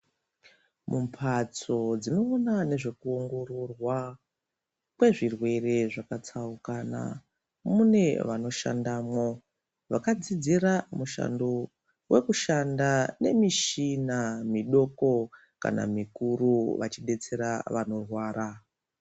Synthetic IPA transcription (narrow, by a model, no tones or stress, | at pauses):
mumpʰat͡so̞d͡zino̞ːnane̞ʐe̞kuo̞ŋɡo̞ɾo̞rwa | kwe̞ʐirwe̞re̞ʐakat͡saukaːna̰ | mune̞ʋano̞ʃa̰ndaːmwo̞ | ʋakad͡zid͡ziɾamuʃa̰ndo | we̞kuʃandane̞miʃinamiɗo̞ko̞ | ka̰na̰mikuɾuʋa̰t͡ʃiɗe̞t͡se̞ɾaʋano̞rwaːɾa